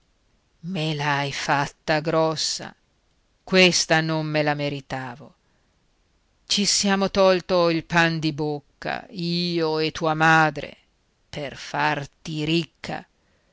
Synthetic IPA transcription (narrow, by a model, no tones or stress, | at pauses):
melajfat̪ːaɡɾɔsːa̰ | kwest̪anomːelameɾit̪aːvo | t͡ʃisjaːmot̪ɔlt̪oilpand̪ibokːa̰iːoet̪ːuːamaːd̪ɾḛ | perfart̪iɾikʰːa̰